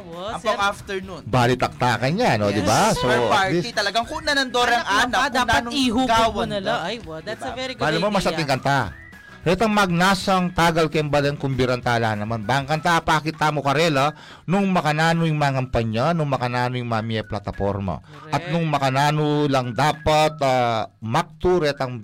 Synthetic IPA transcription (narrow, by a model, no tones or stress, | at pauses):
ɐoaft̪ɛɹnunbaːlɪt̪ɐk̚t̪aːkɐnaʔɐnod̪ɪbasopaɹit̪ɐlɐɡaŋkʊnɐnɐnd̪oɾɐŋaːnɐd̪aːɐniɦuɡawnɐlajd̪vɛɾiɡalɐmɐmɐsɐt̪ɪiŋkɐnt̪a | pːɛt̪ɐŋmɐɡ̚naːsɐŋt̪aːɡɐlkɛmbɐlɛnkʊmbɪɾɐnt̪aːlaːnɐmanbaŋkɐnt̪aʔpaːkɪt̪ːaːmokɐɾɛlɐ | nʊŋmɐkɐnaːnojʊŋmaːkɐmpɐɲanʊŋmɐkɐnaːnojʊŋmamiɛplat̪ɐfo̞̰ɾmɐ̰ | ʔɐt̪̚nʊŋmɐkɐnaːnolɐŋd̪aːpɐt̪aːmak̚t̪ʊɾɛt̪ɐŋ